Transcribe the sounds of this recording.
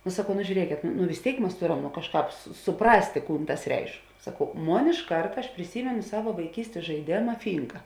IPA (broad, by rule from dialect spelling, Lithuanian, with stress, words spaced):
nʊ sɐˈkɐʊ nʊ ʒʲuːˈrʲiɛkʲeːt nʊ nʊ ʋʲɪs ˈtʲeːɪk ˈmɐs ˈtoːˌrɐm nʊ ˈkɑːʃˌkɑːp sʊˈprɑːsʲtʲeː ˈkuːn ˈtɐs ˈrʲɛɪʃk sɐˈkɐʊ ˈmoːn ɪʃ ˈkɐrtɐ ɐʃ pʲrʲɪˈsʲiːmʲɛnʊ ˈsɑːʋɐ ʋɐɪˈkʲiːsʲtʲeːs ʒɐɪˈdʲeːmɐ ˈfʲiːŋkɐ